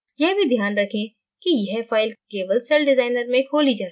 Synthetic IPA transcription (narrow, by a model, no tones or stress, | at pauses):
jɛɦbʱid̪ʱjaːnɾɐkʰẽ | kijɛɦfaːɪlkeːʋəlsɛlɖɪzaːɪnəɾmẽkʰoːlid͡ʒaː